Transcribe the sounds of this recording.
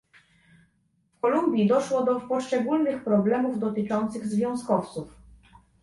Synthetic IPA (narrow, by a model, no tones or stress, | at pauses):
fkɔlumbʲjid̪ɔʂwɔd̪ɔpɔʂt͡ʂɛɡulnɘxpɾɔblɛmuvd̪ɔt̪ɘt͡ʂɔnt̪sɘɣzvʲjɔ̃w̃skɔft̪suf